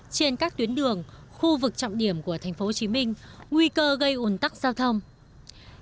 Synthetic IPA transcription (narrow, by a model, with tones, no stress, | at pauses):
t͡ɕe˧nkaː˦˥k̚t̪wi˨˦ənɗɨ˨˩əŋ | xu˧vɨ˨˩k̚t͡ɕɔ̰˧˨wŋ͡mɗi˧˩əmku˧˩ət̪ʰa˨˩jŋ̟fo˨˦˧t͡ɕi˨˦mï˧ŋ̟ŋwi˧kəː˧ɣə˧jʔo˨˩nt̪a˦˥k̚zaː˧wt̪ʰə˧wŋ͡m